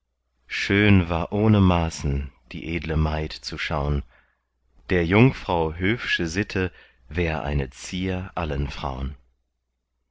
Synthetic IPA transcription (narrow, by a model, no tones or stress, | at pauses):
ʃøːnvaːɐʔoːnəmaːsn̩d̥ḭːʔeːdləmaɪtt͡suʃaʊən | d̥eːɐjʊŋfʁ̥aʊɦøːfʃəzɪtʰə | vɛːɐʁʔa̰ɪnət͡siːɐʔalənfʁ̥a̰ʊən